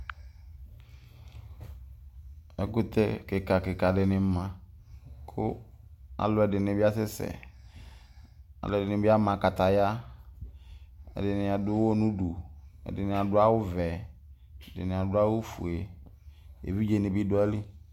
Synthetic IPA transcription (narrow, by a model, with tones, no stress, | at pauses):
ɛ˦kʊ˦t̪ɛ˦kɪ˨ka˨kɪ˨ka˨dɪ˨nɪ˨˦mã˨ | kʰʊ˦ | a̰˨lʊ˨˦ɛ˨dɪ˨nɪ˨bɪ˦a˦sɪ˦sɛ̰˨ | a̰˨lʊ˨ɛ˨dɪ˨nɪ˨bɪ˦a˦mã˨ka˨t̪a˨ja˦ | ɛ̰˨dɪ˨nɪ˨a˨dʊ˦wo˦nũ˦du˨ɛ̰˨dɪ˨nɪ̃˨a˨dʊ˦a˦wʊ˦vɛ˨ | ɛ˨dɪ̰˨nɪ˨a˨dʊ˦a˦wʊ˦fṵ˨e˨ | ḛ˨vi˦d͡ʒe˨nɪ̃˨bi˦dʊ˦ɛ˦lɪ˦